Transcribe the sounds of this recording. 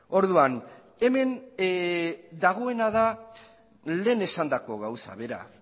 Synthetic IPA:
o̞ɾðuan | e̞me̞n | d̪aɣ̞o̞e̞naða | le̞ːne̞sand̪ako̞ɣawsa̰βe̞ɾa̰

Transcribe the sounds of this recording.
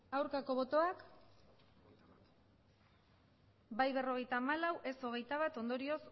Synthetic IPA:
awɾkako̞βo̞t̪o̞ak | bajβe̞ro̞ɣ̞e̞jt̪aːmalawʔe̞so̞ɣ̞e̞jt̪aβ̞at̪o̞nd̪o̞ɾio̞s

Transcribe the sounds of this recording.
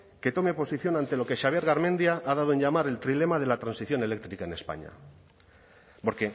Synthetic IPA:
ke̞t̪o̞me̞po̞siθjo̞nãnt̪e̞lo̞ke̞ʃaβ̞je̞ɾɣaɾmẽ̞nd̪jaʔað̞að̞oe̞nʎamaɾe̞lt̪ɾile̞mað̞e̞lat̪ɾansiθjo̞ne̞le̞k̚t̪ɾikaene̞spa̰ɲa̰ | po̞ɾke̞

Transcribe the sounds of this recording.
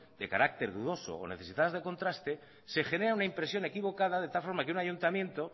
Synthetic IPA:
d̪e̞kaɾak̚t̪e̞ɾðuðo̞so̰o̰neθe̞sit̪aðazðeko̞nt̪ɾast̪e̞ | se̞xe̞ne̞ɾaunaimpɾe̞sjo̞ne̞kiβo̞kaðaðe̞t̪alfo̞ɾmakeunaʝunt̪amjẽ̞nt̪o

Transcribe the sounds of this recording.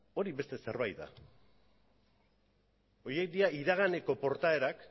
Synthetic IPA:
o̞ɾiβe̞st̪e̞se̞ɾβajt̪d̪a̰ | o̞jekd̪iaiðaɣ̞ane̞ko̞po̞ɾt̪ae̞ɾak

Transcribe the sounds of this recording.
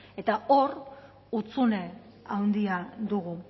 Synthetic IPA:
e̞t̪ao̞ɾ | ut͡sune | awnd̪iad̪uɣ̞u

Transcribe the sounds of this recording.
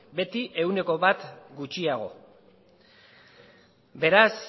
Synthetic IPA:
be̞t̪iʔe̞wne̞ko̞βat̪ɡut͡ʃiaɣ̞o̞̰ | be̞ɾas

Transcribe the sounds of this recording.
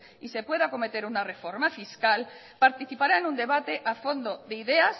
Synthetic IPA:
ise̞pwe̞ðako̞me̞t̪e̞ɾunare̞fo̞ɾmafiskal | paɾt̪iθipaɾaenũnd̪e̞β̞at̪eʔafo̞nd̪oðeiðe̞as

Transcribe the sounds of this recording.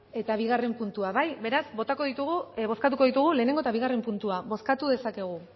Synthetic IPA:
e̞t̪aβ̞iɣare̞mpunt̪uaβajβe̞ɾazbo̞t̪ako̞ðit̪uɣ̞uβo̞skat̪̬uko̞ð̞it̪uɣ̞ule̞ːne̞ŋɡoe̞t̪aβiɣ̞are̞mpunt̪uaβo̞skat̪uðe̞sake̞ɣ̞u

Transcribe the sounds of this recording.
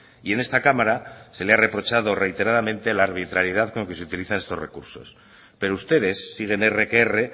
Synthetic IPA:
ie̞ne̞st̪akamaɾase̞leare̞pɾo̞t͡ʃað̞ore̞jt̪e̞ɾaðamẽ̞nt̪e̞laːɾβ̞it̪ɾaɾjeð̞aðko̞ŋke̞seut̪iliθane̞st̪o̞̰re̞̰kuɾso̞̰s | pe̞ɾoust̪e̞ðe̞sːiɣ̞e̞nere̞keere̞

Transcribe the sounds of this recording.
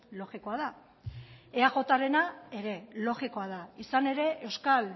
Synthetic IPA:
lo̞ɣiko̞aða | eaɣo̞t̪aɾe̞nae̞ɾe̞lo̞ɣiko̞að̞aisane̞ɾe̞ʔe̞wskal

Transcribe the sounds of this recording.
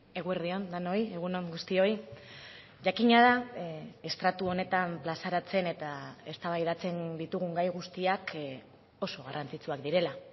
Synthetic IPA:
e̞ɣueɾðio̞nd̪ano̞je̞ɣ̞unoŋɡust̪io̞i | ʝakiɲaðae̞st̪ɾat̪uo̞ne̞t̪amplasaɾat͡se̞ne̞t̪ae̞st̪aβajðat͡se̞nd̪it̪uɣuŋɡajɣ̞ust̪iak | o̞so̞ɣ̞arant͡sit͡suakd̪iɾe̞la

